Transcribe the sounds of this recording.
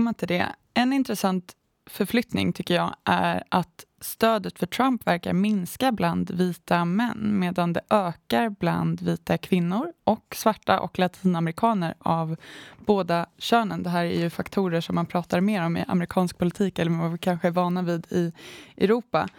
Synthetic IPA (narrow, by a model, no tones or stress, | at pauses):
mːat̪ʰɪld̪ɛ̰ | ɛnɪnt̪ɾɛsant̪ | fœɾflʏt̪nɪ̰ŋt̪ʰʏkːəjɑ̰ːʔæ̰ɾat̪ | st̪øːd̪ət̪fœʈʰɾampvæɾka̰ɾmɪnskabland̪viːt̪amɛnːmeːd̪and̪ɛʔøːkaɾbla̰nd̪viːt̪akʰvɪnːʊɾʔɔksvaʈːaʔɔ̰klat̪ʰiːnamɛɾɪkʰɑːnəɾavboːd̪aɕøːnənd̪ɛɦæːɾæ̰ɾjɵfakt̪ʰuːɾəʂɔmːanpʰɾɑːt̪aɾmeːɾɔmɪ̰ʔa̰mɾɪkʰɑːnsk̚pʰʊlɪt̪ʰiːkɛlːɾvavɪkʰanɧəɛvɑːɳaviːd̪ɪʔɛɾuːpa̰